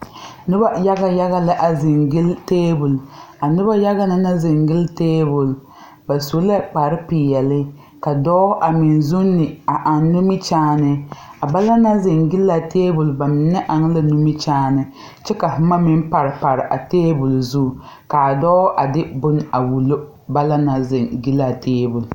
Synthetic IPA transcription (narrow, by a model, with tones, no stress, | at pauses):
nʊ˦ba˦ja˦ɡa˦ja˦ɣa˦la˦ʔa˨zɪ˨ŋɡɪ˦lteː˦bu˨la˨nʊ˦ba˦ja˦ɣa˦na˦na˦zɪ˨ŋɡɪ˦lteː˦bu˨l | ba˨so˨˦la˦k͡pa˨ɾɪ˦pi˨jɛ˨lɪ˦ | ka˨dɔː˦ʔa˨mɪ˨nzu˦nːɪ˨a˨ʔa˨nːu˦mi˦t͡ʃaː˦nɨ˨a˨ba˦la˦na˦zɪ˨ŋɡɪ˦la˨teː˦bu˨lba˨mɪ˨nːɪ˦ʔa˨ŋ˦la˦nu˦mi˦t͡ʃaː˦nɨ˨ | t͡ʃɛ˦ka˨hma˦mɪ˦m˦pa˨ɾɪ˨pa˨ɾɪ˨ʔa˨teː˦bu˨lzu˦˨ | ka˨dɔː˦ʔa˨dɪ˦bʊ˦na˨wu˨lo˦ | ba˦la˦na˨zɪ˨ŋɡɪ˦la˨teː˦bu˨l